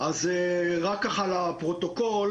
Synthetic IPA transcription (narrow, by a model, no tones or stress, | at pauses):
azeʁakːaχalapʁot̪o̞kol